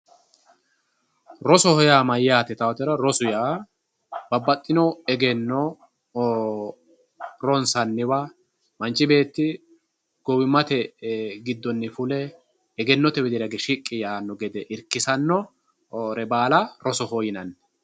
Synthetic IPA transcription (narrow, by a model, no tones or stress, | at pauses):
ɾɔsɔhɔjamɐjːaːt̪ɛt̪ɐwɐt̪ɛɾɐɾɔsʊjaː | b̥ɐbːɐt̪ʼːɪnɔɛɡɛnːɔ | ɾɔnsɐnːɪwa | mɐnt͡ʃːɪbe̞ːt̪ːɪ | ɡ̥ɔwɪmːɐt̪ɛɡɪd̪ːɔnːɪfʊlɛː | ɡɛnːɔt̪ɛbɛd̪ɪɾɐɡɛʃɪkʼːɪjaːnːɔɡɛd̪ɛʔɪɾkːɪsɐnːɔ | ɾɛbaːlɐɾɔsɔhɔjɪnɐnː